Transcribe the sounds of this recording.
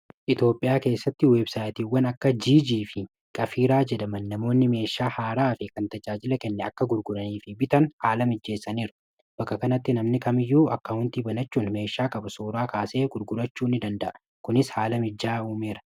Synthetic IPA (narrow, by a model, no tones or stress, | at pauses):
ʔɪt̪joːpʼːɪjaːke̞ːsːɐt̪ːɪweːbsaːjt̪iːwːɐnɐkːɐd͡ʒiːd͡ʒiːfɪ | kʼɐfiːɾaːd͡ʒɛd̪ɐmɐnːɐmo̞ːnːɪme̞ːʃːaːhaːɾaːfɪkɐnt̪ɐd͡ʒaːd͡ʒɪlɐkɛnːɛɐkːɐɡʊɾɡʊɾɐniːfɪbɪt̪ɐnhaːlɐmɪd͡ʒːe̞ːsːɐniːɾʊ̥ | b̥ɐkːɐkɐnɐt̪ːɪnɐmnɪkɐmɪjːuːʔɐkːɐhʊnt̪iːbɐnɐt͡ʃːuːnme̞ːʃːaːkʼɐbɐsuːɾaːkaːse̞ːɡʊɾɡʊɾɐt͡ʃːuːnːɪd̪ɐnd̪ɐʔɐ | kʊnɪshaːlɐmɪd͡ʒːaːuːmeːɾɐ̥